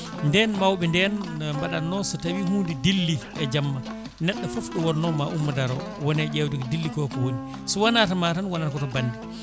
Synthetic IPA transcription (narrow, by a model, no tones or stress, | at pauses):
ndɛnmawɓɛndɛnmbaɗanːɔsɔtawihuːndidilːiʔɛd͡ʒamːa | nɛɗːɔfofɗɔwɔɾnɔmaʔumːadaɾɔ | wɔnɛd͡ʒɛwdɛkɔdilːikɔkɔwoni | sɔwanatamatanwanatakɔtɔbanːdi